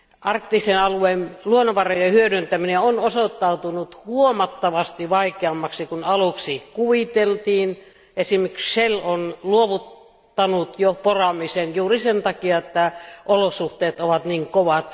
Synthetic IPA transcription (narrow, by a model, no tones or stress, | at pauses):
ʔɑrkt̪ːisenɑluenluonoʋɑrojehyødynt̪æmineonosot̪ːɑut̪unut̪huomɑt̪ːɑʋɑst̪iʋɑikeɑmːɑksikunɑluksikuʋit̪elt̪iːn | esimekselonluoʋut̪ː | ɑnut̪joporɑmisenjuːrisent̪ɑkiɑet̪ːæʔolosuht̪eːt̪oʋɑt̪niŋkoʋɑt̪